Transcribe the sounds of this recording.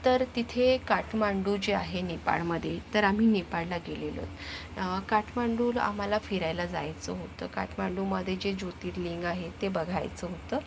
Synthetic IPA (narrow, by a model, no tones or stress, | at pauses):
t̪əɾt̪it̪ʰekaʈʰmaɳɖud͡ʑeaɦenepa̰ɭməd̪ʱːjet̪əɾam̤iːnepaɭlaɡelelo̰t̪kaʈʰmaɳɖuːla̰m̤alafiɾajlad͡za̰jt͡səɦot̪ə̰ːka̰ʈʰmaɳɖuməd̪ʱːjed͡ʑed͡ʑot̪iːʈliŋɡaɦet̪ebəɡʱa̰jt͡səɦot̪əː